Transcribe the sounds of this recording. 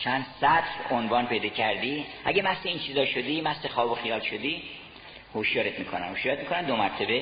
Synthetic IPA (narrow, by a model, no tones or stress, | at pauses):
t͡ʃʰænd̪̥sæt̪ʰɾonvɒːnpʰe̞jd̪ɒːcʰæɾd̪iːʔæɟemæseint͡ʃʰiːzɒːʃod̪iːmæsexɒːboxijɒːlʃod̪iː | hoʃjɒːɾet̪miːkʰonæ̰mhoʃjɒːɾet̪mikʰonæmd̪omæɾt̪ʰebe